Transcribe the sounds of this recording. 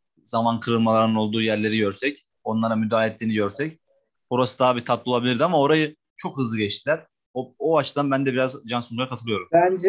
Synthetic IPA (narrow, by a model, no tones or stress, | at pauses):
z̥amankʰɯɾɯlˠmalˠaɾɯnɯno̞lˠd̪uːjæɾlʲe̞ɾiɟø̞ɾsɛc | o̞nlˠaɾamyd̪aːɛt̪ʰːiːniɟøɾsɛc | boɾasɯd̪aɦbiɾt̪ʰat̪lˠɯo̞lˠabilʲiɾd̪iamao̞ɾajɯ | t͡ʃʰo̞khɯzlˠɯɟɛt͡ʃt̪ʰilʲæɾ̥ | ooat͡ʃʰɯd̪anbænd̪ɛbiɾazd͡ʒansuŋkaɾakʰat̪ʰɯlˠɯjo̞ɾumænd͡ʒɛ